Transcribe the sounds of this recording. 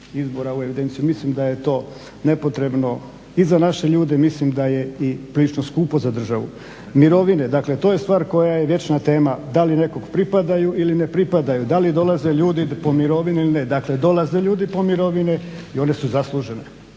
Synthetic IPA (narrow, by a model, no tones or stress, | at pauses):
izbo̞ɾaue̞ʋid̪e̞nt̪sijumislimd̪aje̞t̪o̞ː | ne̞po̞t̪ɾe̞bno̞ | izanaʃe̞ʎuːd̪e̞mislimd̪aje̞ipɾilit͡ʃno̞skuːpo̞zad̪r̩ʒaʋṵ | miɾo̞ʋine̞d̪akle̞t̪oːje̞st̪ʋaːɾko̞jajeʋje̞t͡ʃnat̪e̞ːmad̪aline̞ko̞ɡpɾipad̪ajuʔiline̞pɾipad̪ajud̪alid̪o̞lˠaze̞ʎuːd̪ipo̞miɾo̞ʋineilined̪akle̞d̪o̞laze̞ʎuːd̪ipo̞miɾo̞ʋineio̞ne̞suzaslˠuʒe̞n